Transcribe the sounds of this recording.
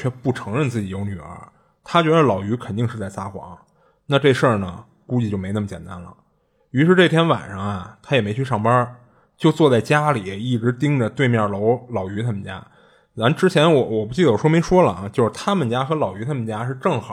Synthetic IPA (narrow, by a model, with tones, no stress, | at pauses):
t͡ɕʰɥɛ˥pu˥˩ʈ͡ʂʰɤ˧˥ŋɻə˥˧nt͡sɹ̩˥˩t͡ɕi˨˩jo˧˥ʊny˨˩ə̰˞˧˥ | t̪ʰa˥t͡ɕɥɛ˧˥d̪ə˧˩lɑ˨˩ʊy˧˥kʰə˨˩nt̪i˥˧ŋʂɻ̩˥˧t͡sa˥˩ɪsa˥xwɑ̰˧˥ŋ | na˥˧ʈ͡ʂɤ˥˧ʂə˥˩nə˩ | ku˥t͡ɕi˥˧˩t͡ɕjo˥˩me˧˥ɪnə˥˩mət͡ɕjɛ̰˨˩nt̪a̰˥nlə̰˩ | y˧˥ʂɻ̩˥˧ʈ͡ʂɤ˥˩t̪ʰjɛ˥nwa̰˨˩nʂɑ˥˧ŋɐ˩t̪ʰa˥jɛ˨˩me˧˥y˥˧ʂɑ˥˩ŋpɐ˞˥ | t͡ɕjo˥˧ʊt͡swɔ˥˧t͡sa˥˩ɪt͡ɕja˥li˨˩˧i˥˩ʈ͡ʂɻ̩˧˥t̪i˥ŋʈ͡ʂə˨t̪we˥˧ɪmjɑ˥˩lo˧˥ʊlɑ˨˩ʊy˧˥a˥mə˨˩nt͡ɕja̰˥ | na˧˥nʈ͡ʂɻ̩˥t͡ɕʰjɛ˧˥nwɔ˧˩wɔ˨˩pu˧˩t͡ɕi˥˩d̪ə˩wɔ˨˩ʂwɔ˥me˧˥ɪʂwɔ˥lə˨˩˧t͡ɕjo˥˧ʊʂɻ̩˥˧t̪ʰa˥mə˨nt͡ɕja˥xɤ˧˥lɑ˨˩ʊy˧˥a˥mə˨nt͡ɕja˥ʂɻ̩˥˧ʈ͡ʂɤ˥˩ŋxɑ˨˩˦